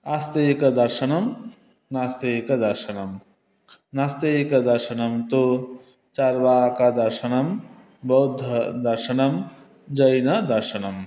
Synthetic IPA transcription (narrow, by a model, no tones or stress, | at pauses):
ɐst̪ekɐd̪ɐɾʃɐnɐm | nast̪eːkɐd̪ɐɾʃɐnɐm | nɐst̪ejkɐd̪ɐɾʃɐnɐmt̪o | t͡ʃɐɾʋaːkɐd̪ɐɾʃɐnɐm | bɐwd̪ʱːɐd̪ɐɾʃɐnɐm | d͡ʒɐjnɐd̪ɐɾʃɐnɐm